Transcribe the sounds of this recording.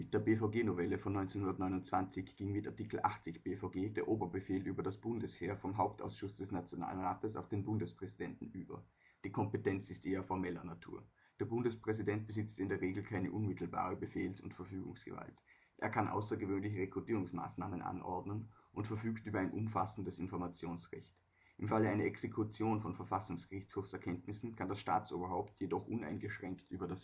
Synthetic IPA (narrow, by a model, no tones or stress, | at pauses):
mɪt̚d̥eːɐbeːfoʊɡeːnovɛləfɔnːɔʏnt͡sɛnhundɐtnɔʏnʊnt͡sv̥ant͡sɪçɡ̥iŋmɪtaɐtikl̩ʔa̰χt͡sɪçb̥eːfaʊɡeːd̥eːɐʔoːbɐbəfeːlʔyːbɐdasb̥ʊndəsheːɐfɔmɦaʊp̚ta̰ʊsʃʊsd̥ɛsnat͡sjona̰ːlənʁaːtəsaʊfd̥eːnbʊndəspʁ̥ɛzidɛntn̩ʔyːbɐ̰ | d̥iːkʰɔmpətɛnt͡sɪstʔeːɐfɔɐmɛlɐnatʰṵːɐ | d̥eːɐbʊndəspʁ̥ɛzidɛnt̚b̥əzɪt͡stɪndeːɐʁeːɡl̩kʰaɪnəʔʊnmɪtʰl̩ba̰ːʁ̞əbəfeːlsʊ̰ntfɛɐfyːɡʊ̰ŋsɡ̥ə̰va̰lt | ʔḛːɐkʰanʔa̰ʊsɐɡəvøːnlɪçəʁekʁ̥utiːʁʊŋsma̰ːsna̰ːmənʔa̰nʔɔ̰ɐdnənʔʊntfɛɐfyːktʔyːbɐaɪnʔʊ̰mfasn̩dəsɪnfɔɐmat͡sjoːnsʁɛ̰çt | ʔɪmfaləaɪnɐʔɛksekʰʊt͡sjoːnfɔnfɛɐfasʊŋsɡ̥əʁɪçt͡shoːfsɛɐkʰɛntnɪsn̩kʰandasʃta̰ːt͡sʔo̰ːbɐɦaʊptʰjedɔχʔʊna̰ɪnɡəʃʁ̥ɛŋktʔyːbɐdas